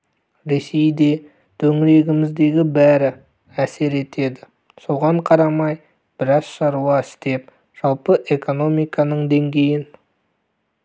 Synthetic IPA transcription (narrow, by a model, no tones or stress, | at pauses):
ɾe̞sejd̪e̞ | t̪ʰɵŋɪɾe̞ɡʲɪmɪzd̪e̞ɡʲɪbæɾɪ | æse̞ɾe̞t̪e̞d̪ɪ | so̞ʁɑɴqʰɑɾɑmɑj | b̥ɪɾɑz̥ʃɑɾuɑɪst̪e̞p̚ | ʒ̥ɑlˠpəʔe̞ko̞no̞mijkɑnəɴd̪e̞ŋɡʲe̞jɪn